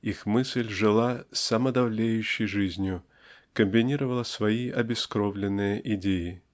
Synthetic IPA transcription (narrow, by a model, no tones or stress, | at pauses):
ixmɨsʲlʲʐɨlˠasɐməd̪ɐvlʲejʉɕːɪjʐɨzʲnʲjʊ | kəmʲbʲɪnʲiɾəvəlˠəsvɐiʔɐbʲɪskɾovlʲɪnːɨjəʔɪdʲejɪ